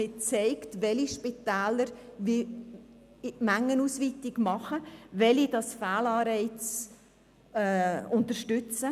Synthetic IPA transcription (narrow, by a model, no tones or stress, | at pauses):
ɪt͡sɛɪktʋɛliʃpitæːləɾvi | mæŋːənuːsʋiːtɪɡmɑχəʋɛlidɑsfæːlɑːɾɛɪt͡s | ʊntəɾʃtʏt͡sə